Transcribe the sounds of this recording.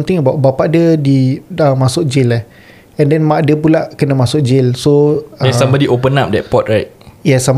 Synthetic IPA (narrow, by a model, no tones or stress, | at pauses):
mt̪ɪŋəbawʔbapaʔdədiəmasʊk̚d͡ʒɪlah | ɛ̃ndɛnmaʔdəp̬ulaʔkənəmasʊk̚d͡ʒɪlsoɛ̃sambədiʔop̬ənap̚dɛ̰t̚pɔt̚ɹajt̚jɛsam